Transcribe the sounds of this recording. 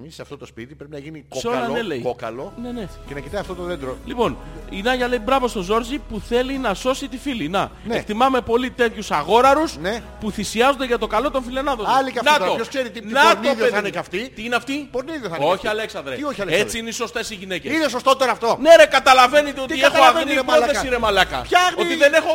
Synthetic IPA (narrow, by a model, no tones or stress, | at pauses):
miseɐft̪o̞t̪ospit̪ipɾepinɐʝinikseolɐne̞le̞jokɐ̰lone̞ne̞cenɐkit̪ɐjɐft̪ot̪oðend̪ɾolipo̞ninɐʝɐle̞ibɾɐvo̞st̪o̞zo̞ɾzipuθe̞linɐso̞sit̪ifilinɐnek̚t̪imɐme̞po̞lit̪e̞t̪çusɐɣo̞ɾɐɾusne | puθisiɐzond̪eʝɐt̪o̞kɐlo̞t̪o̞nfile̞nɐðoɐliɐnɐt̪ooskseɾit̪innɐtnoðeðneɐft̪it̪iineɐft̪ipoɾniðjoθɐoçiɐleksɐnd̪ɾeioçiɐleet͡siineiso̞st̪e̞siʝine̞ceinesost̪ot̪oɾɐft̪oneɾekɐt̪ɐlɐve̞nit̪eo̞t̪iexoeiepolðesiɾemɐlɐkɐ̰çɐo̞t̪iðene̞xo̞